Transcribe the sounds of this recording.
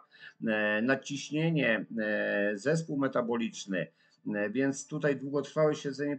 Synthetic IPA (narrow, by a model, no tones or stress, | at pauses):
nat͡ɕiɕɲeɲɛ | zɛspuwmɛt̪abɔlʲit͡ʂnɘ̰ | vʲjɛnt̪st̪ut̪ajd̪wuɡɔt̪ɾfawɘɕɛd̪zɛɲɛ